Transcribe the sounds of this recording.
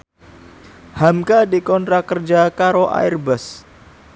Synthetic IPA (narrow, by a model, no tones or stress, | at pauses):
hamkadikɔnt̪ɾakərd͡ʒakaɾoʔa̰ɪrbəs